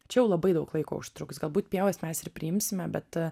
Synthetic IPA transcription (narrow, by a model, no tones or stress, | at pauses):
t͡ʃʲɛjɛʊlˠɐbɐɪd̪ɐʊklˠɐɪko̰ːʊʃʲt̪ɾʊksɡɐlˠbuːt̪pʲiɛʋɐsmʲɛsɪɾpʲɾʲɪɪmʲsʲɪmʲɛbʲɛt̪